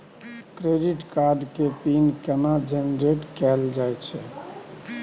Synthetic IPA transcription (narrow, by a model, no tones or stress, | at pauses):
kɾeɖiʈkaɾɖkepinkɛnad͡ʒenɾeʈkɛld͡ʒajt͡ʃʰɛ